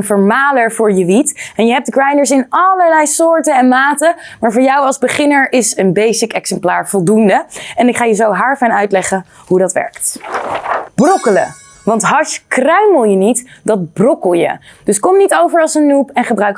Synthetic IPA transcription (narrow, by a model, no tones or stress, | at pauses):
nvəɹmaːləɹvʊːɹjəʋitɛnjəɦɛp̚dɡrɑjndəɹsɪnɑləɹlɛjsʊːɹtənɛnmaːtə | maːɹvʊːɹjɑwɑlˠzbəχɪnəɹʔɪsənbejsɪkɛksɛmplaːɹvɔlˠdundəɛnɪkχaːjəzowɦaɹfɛnœɥtlɛχə | ɦudɑtʋɛ̰ɹkt | b̥rɔkələ̰ | ʋɑntɦɑʃkrœɥməlˠjənitdɑt̚brɔkəlˠjə̰d̥ɵskɔmnitowvəɹɑlˠsənːupɛnχəbrœɥk